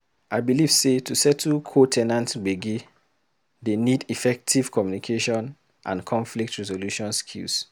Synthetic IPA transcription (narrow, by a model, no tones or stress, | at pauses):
aɪbiliv̥setʰusɛtʰkʰotʰɛnãntbeɡi | denidifɛk̚tʰiv̥kʰɔmjunikʰeʃɔ̃n | ʔã̰nkʰɔ̃ɱflik̚tɹɛzoluʃɔ̃nskʰḭls